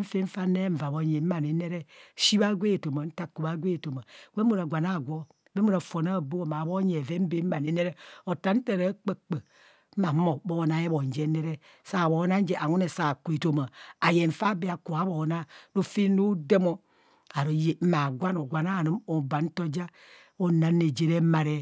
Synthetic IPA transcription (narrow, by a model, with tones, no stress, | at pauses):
m̩˦fe˦ɱ̩˦fa˦ne˦ɱ̩˨va˨bo˦ɲe˨˦ma˨ne˨˦ne˦ɾe˦ʃi˦ba˦ɡʷe˦˨to˨ma˨n̩˦ta˦ku˨ba˦ɡʷe˦˨to˨ma˨ɡe˦mo˦˨ɾa˨ɡʷa˨na˦˨ɡʷo˦ | be˦mo˦ɾa˨fo˨na˦˨bo˦˨ma˨bo˦ɲe˨ve˦m̩˦be˦ma˨ne˨ne˦ɾe˦o˨ta˨n̩˦te˦ɾa˦k͡pe˦k͡pə˨˦ | ma˨˦mo˨bo˦˨na˨˦je˦bo˨n˨d͡ʒe˦ne˦ɾe˦ | sa˨bo˨˦na˦n˦d͡ʒe˦ʔa˨ŋo˦ne˨sa˨ku˨e˨to˨ma˨a˨je˨ɱ̩˨fa˦be˦a˨ko˨a˦bo˨˦na˦no˦fe˦no˦de˦mo˦ | a˨ɾo˨je˨m̩˦ma˨ɡʷa˦no˨ɡʷa˨na˦˨ni˦mo˨ba˨n̩˦to˦d͡ʒa˦ | o˦na˨˦nːe˨d͡ʒe˨ɾe˦ma˨ɾe˦